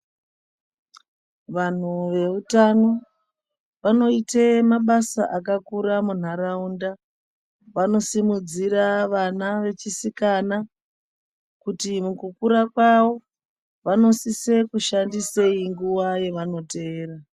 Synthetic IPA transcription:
ʋan̤uʋe̞utano̞ | ʋano̞itemaɓasa̰ʔakakuɾamun̤aɾaunda | ʋano̞simud͡ziɾaʋanaʋe̞t͡ʃisikana | kutimukukuɾakwawo̞ | ʋano̞sise̞kuʃandise̞iŋɡuwaje̞ʋano̞te̞ːra

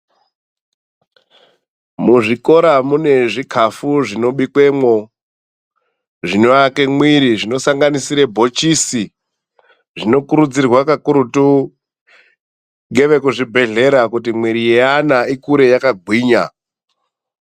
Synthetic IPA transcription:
muʐiko̞ɾamune̞ʐikʰafuʐino̞ɓikwe̞mwo̞ | ʐinoakemwiɾiʐino̞saŋɡanisiɾebʱo̞t͡ʃisi | ʐino̞kuɾud͡zirwakakuɾutu | ŋɡe̞ʋe̞kuʐibʱe̞ɮe̞ɾakut̬imwiɾijeanaikuɾe̞jakaɡʱwiːɲa

